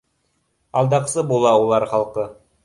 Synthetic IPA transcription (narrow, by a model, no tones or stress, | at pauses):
ɑlˠd̪ɑqsɤbulˠɑulˠɑɾχɑlˠqɤ